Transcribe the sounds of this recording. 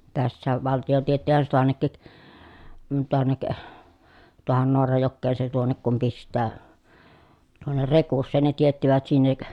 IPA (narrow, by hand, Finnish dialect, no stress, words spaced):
tæsːæːʋ ʋɑltio tietːihæn se toɑnːekːik tuonːek tuohon noɑrɑjokːeːn se tuonːek kum pistˑæː tuonːer rekusːeːn ne tietːiʋæt sinːek